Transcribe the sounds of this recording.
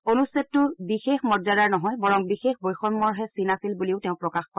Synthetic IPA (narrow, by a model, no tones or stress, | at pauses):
onusɛtːʊbixexmɔzadaɹnɔɦɔjbɔɹɔŋbixexbojxɔnmɔɹɦɛsinasilbuliʊteʊ̃pɹɔkaxkɔ